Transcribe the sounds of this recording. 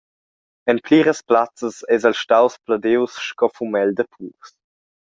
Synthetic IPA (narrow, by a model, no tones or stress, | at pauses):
ɛnpliːɾəsplat͡səsɛzəlʃtawsplədɪwsʃkɔfumɛldəpʰuːs